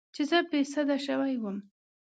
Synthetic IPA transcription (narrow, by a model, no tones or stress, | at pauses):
t͡ʃezəpesad̪aʃawajwəm